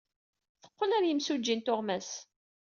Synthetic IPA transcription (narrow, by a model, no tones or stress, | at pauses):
θə̥qːəlæɾjəmsud͡ʒːint̪oʁmæs